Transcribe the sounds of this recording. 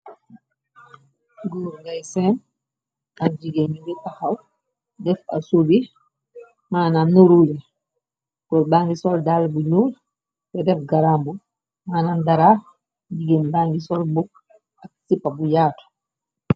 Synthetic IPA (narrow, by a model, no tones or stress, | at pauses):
ɡɔːɾŋɡajsɛn | ad͡ʒiɡɛɲidɛpahaw | dɛfa̰sobi | maːnannuɾulɛ | kɔbaŋɡisɔldalbuɲuːl | bɛdɛfɡaɾambu | manandaɾa | d͡ʒiɡɛnbaŋɡisɔlbuk | ak̚sipːabujaːtɔ̥